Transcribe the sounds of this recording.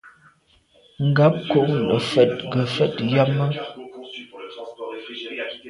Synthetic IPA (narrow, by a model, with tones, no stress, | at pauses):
ŋ̩˨ɡa˦p̚ko˦˨ʔnə˨fɛ˨t̚ɡə˨fɛ˦˨tja˦mə˦